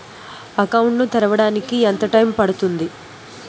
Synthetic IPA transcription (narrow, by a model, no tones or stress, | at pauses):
ɐkɐwuɳʈnut̪ɛɾɐʋɐɽaːnikiɛnt̪ɐʈɐjmpɐɽut̪und̪i